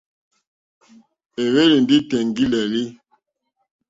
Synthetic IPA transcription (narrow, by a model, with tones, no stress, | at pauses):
e˨we˦li˨ndi˦tɛ˨ŋɡi˦lɛ˨li˦